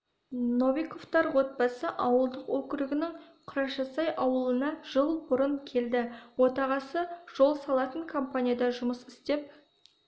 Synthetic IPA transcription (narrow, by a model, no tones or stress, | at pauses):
no̞vijko̞ft̪ɑɾwo̞t̪̚bɑsəʔɑwəlˠd̪əqwɵkʲɪɾɪɡʲɪnɪŋ | qʰʊɾɑʃɑsɑjʔɑwəlˠənɑʒ̥əlˠbʊɾəŋkʲʰe̞ld̪ɪwo̞t̪ɑʁɑsəʒ̥o̞lˠsɑlˠɑt̪əŋkʰo̞mpanʲijad̪ɑʒʊməsɪst̪e̞p̚